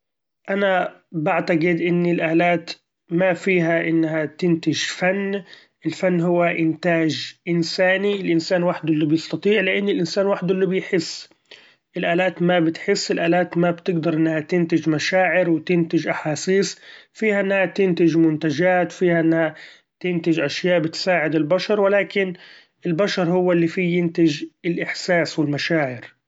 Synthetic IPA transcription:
ʔanabaʕt̪aɡɪd̪ʔɪnːɪlʔaːlaːt̪ | mafiːɦaʔɪnːhat̪ɪnt̪ɪʒfanː | ʔɪlfanːɦʊwːaʔɪnt̪aːʒʔɪnsaːniɪlʔɪnsaːnwaħd̪ʔlːubjɪst̪ɑt̪ˤiːʕlɪʔɪnːɪlʔɪnsaːnwaħd̪ɪlːubɪjħɪsː | ʔɪlʔaːlaːt̪mabɪt̪ħɪsːɪlʔaːlaːt̪mabt̪ɪɡd̪ɑɾˤʔɪnːahat̪ɪnt̪ɪd͡ʒmaʃaːʕɪɾwɪt̪ɪnt̪ɪʒʔaħaːsiːsfiːhaʔɪnːahat̪ɪnt̪ɪʒmʊnt̪ad͡ʒaːt̪wfiːhaʔɪnːha | t̪ɪnt̪ɪʒʔaʃjaːʔbɪt̪saːʕɪd̪ɪlbaʃɑɾˤwɪlaːkɪn | ɪlbaʃɑɾˤhʊwːalːifiːjɪnt̪ɪd͡ʒɪlʔɪħsaːswɪlmaʃaːʕɪɾ

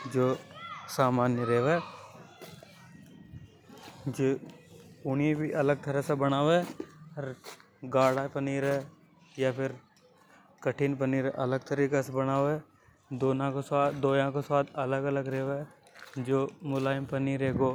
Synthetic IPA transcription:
d͡ʒoːsaːmaːnjəɾeːʋeː | d͡ʒoː | ʊniebʱiʔɐləɡ̚t̪əɾəsebənaːʋɛːɾ | ɡaːɽaːpəniːɾɛː | japʰɪɾ | kəʈʰiːnpəniːɾʔɐləɡ̚t̪əɾiːkasebənaːɛː | d̪oːnãkosaːd̪oːjãkoswaːd̪ɐləɡələɡɾeːʋeː | d͡ʒoːmʊlaːɪmpəniːɾeːkoː

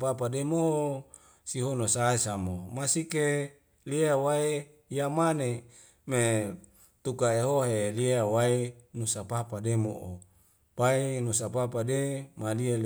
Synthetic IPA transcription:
papademoo | siɦonosaesamomasike | liawae | jamane | me | t̪ukaeɦoɦeliawaenusapapademo̰ʔo | paenusapapademaliel

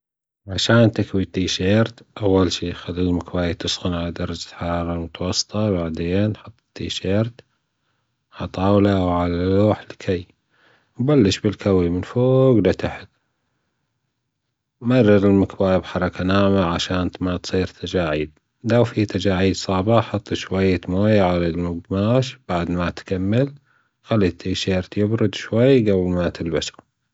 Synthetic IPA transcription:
ʕaʃaːnt̪ɪkwit̪ːiːʃeːɾt̪ʔawːalʃiːxalːilmakbaːjat̪ɪsxʊnʕalad̪ɑɾˤɑd͡ʒḁħɑɾˤɑːɾˤɑmʊt̪wɑsˤːt̪ˤɑbaʕd̪eːnːħʊt̪ˤːt̪ːiːʃeːɾt̪ | alt̪ˤɑːwlawʕalaloːħlkʰaj | wbalːɪʃbɪlkawimɪnfoːɡlat̪aħɪt̪ | mɑrˤːɑɾɪlmakbaːjabħɑɾˤɑkʰanaːʕmaʕaʃaːnt̪mat̪sˤiːɾt̪ʰad͡ʒaːʕiːd̪̚ | lawfit̪ad͡ʒaːʕiːd̪sˤɑʕbɑħɑt̪ˤːʃwajːat̪moːjʕalalmʊɡmaːʃb̥aʕd̪mat̪kamːɪl | xalːiːt̪ʰiʃeːɾt̪jɪbɾʊd̪ʃwajːɡablmat̪ʰɪlbaʃa

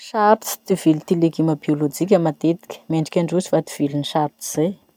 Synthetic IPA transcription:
ʃaɾt͡si̥t̪iv̥ilit̪ilekiməbiolod͡ʒik̬ʲamat̪et̪i̥kʲə̥meɳɖ͡ʐikʲaɳɖ͡ʐusi̥fat̪i̥v̥iliniʃaɾt͡si̥z̥e

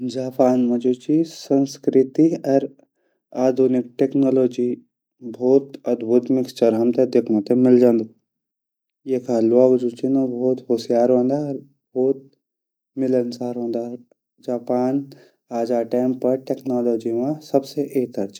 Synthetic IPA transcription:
d͡ʒaːpaːnmɐd͡ʒut͡ʃisə̃nskɾɪt̪iɐɾ | aːd̪ʱunɪkʈeːknaːloːd͡ʒi | bʱoːt̪ɐd̪bʱʊt̪mɪkst͡ʃɐɾɦɐmt̪ed̪eːkʰnõt̪emɪld͡ʒãːnd̪o | jekʰaːluaːbɐd͡ʒut͡ʃinobʱɔːt̪ɦoːsijaːɾɦõːnd̪aɾ | bʱɔːt̪̚ | mɪlənsaːɾɦõːnd̪a | d͡ʒaːpaːn | aːd͡ʒaːʈaːmpɐɾʈeːknaːloːd͡ʒimãsɐbseʔeːk̚t̪ɐɾt͡ʃi̥

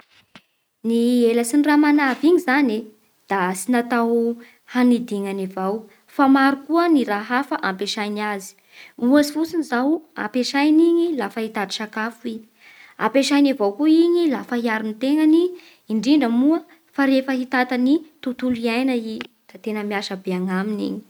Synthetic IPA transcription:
nieləsinramanaviɲizane | d̪̥asinat̪aw | hanid̪iŋanivaw | famaɾukuəniɾaɦafaʔampeʃajnazi̥ | uasifut͡sinizawa̰mpeʃajniɲilafaɦit̪at̪i̥ʃakafui | a̰mpeʃajnavawkuiɲilafəɦiaɾinit̪eŋaniː | ɳɖ͡ʐiɳɖ͡ʐəmuə | faɾefəɦit̪at̪anit̪ut̪uliajnəi | d̪̥at̪enəmiaʃəbeaŋaminḭɲi̥

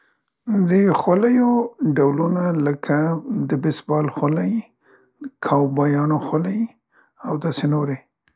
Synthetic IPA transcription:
d̪əxwaləjoɖawlunaləkʰad̪əbɪsbɑlxwalaj | kʰɑwbɑjɑnoxwaləj | awd̪ɑsenoɾe

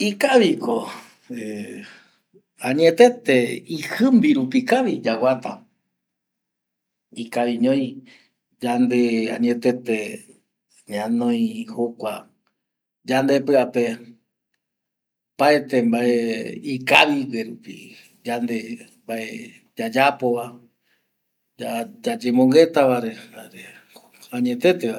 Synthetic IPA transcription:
ikaβiko | e | ãɲẽt̪e̞t̪eihɨmbiɾupikaʋid͡ʒawat̪a̰ | ikaʋiɲõj̃ | d͡ʒand̪eã̰ɲẽt̪e̞t̪e | ɲãnõj̃hokʷa | d͡ʒand̪epɨape | pae̞t̪embaʔeikaβiweɾupḭ | d͡ʒand̪e̞mbaʔe | d͡ʒad͡ʒapoβa | d͡ʒad͡ʒad͡ʒemõŋɡe̞t̪aβaɾeaɾe | aɲẽt̪e̞t̪ea

